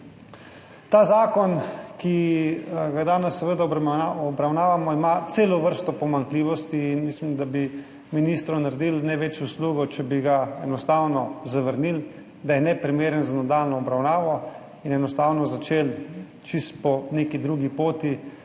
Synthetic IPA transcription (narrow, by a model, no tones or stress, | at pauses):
t̪aːzaːkɔnki | ɡad̪aːnɛsːɛʋəd̪aɔaɔbɾawnaːʋamɔimat̪seːlɔʋəɾst̪ɔpɔmaŋkliːʋɔst̪iːnmislimd̪abi | minist̪ɾɔnaɾd̪ilnɛʋɛt͡ʃjowsluːɡɔt͡ʃɛbiɡaɛnɔst̪aːwnɔzaʋəɾnil | d̪ajɛnɛpɾimeːɾənzanad̪aːlnɔɔbɾawnaːʋɔ | inɛnɔst̪awnɔzat͡ʃeːl | t͡ʃist̪pɔneːkid̪ɾuɡipoːt̪i